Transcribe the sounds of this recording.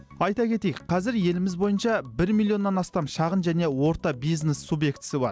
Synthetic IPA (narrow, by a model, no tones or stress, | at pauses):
ɑjt̪ɑkʲʰe̞t̪ejɪk̚qʰɑzɪɾje̞lɪmɪzbo̞jənʃɑbɪɾmilˠio̞nːɑnɑst̪ɑmʃɑʁənʒæne̞wo̞ɾt̪ɑbijznesːubje̞kt̪ɪ̥sɪbɑ̰ɾ